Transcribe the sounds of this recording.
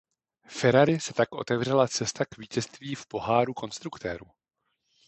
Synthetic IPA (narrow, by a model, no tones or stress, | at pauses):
fɛɾaɾɪsɛt̪akʔo̞̰t̪ɛvr̝ɛlat͡sɛst̪akviːcɛst̪viːfpo̞ɦaːɾuko̞nst̪ɾukt̪ɛ̰ːɾu